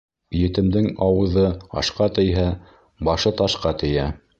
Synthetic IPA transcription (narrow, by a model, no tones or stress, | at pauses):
jɘ̆t̪ɘ̆md̪ɘŋɑwɤ̆ðɤɑ̰ʃqɑt̪ɘ̆jɦæ | bɑʃɤt̪ɑʃqɑt̪ɘ̆jæ